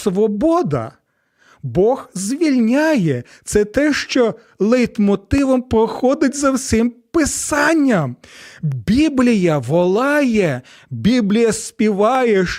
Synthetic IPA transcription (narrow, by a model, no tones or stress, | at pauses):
sʋɔbɔd̪ɐ̰ | bɔɣzʲʋʲilʲnʲajɛ | t̪sɛt̪ɛʃt͡ʃɔ | lˠɛjt̪mɔt̪ɪʋɔmpɾɔxɔd̪ɪtʲzɐwsʲɪmpɪsɑnʲːɐm | bʲiblʲijɐʋɔlˠɑjɛ | bʲiblʲijɐsʲpʲiʋɑjɛʃ